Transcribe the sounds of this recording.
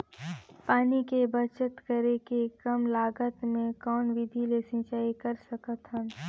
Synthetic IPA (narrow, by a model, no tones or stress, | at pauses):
paːnikebət͡ʃət̪kəɾekekɐmlaːɡət̪mẽkɔːnʋɪd̪ʱilesɪ̃ːt͡ʃaːikɐɾsəkət̪ɦə̃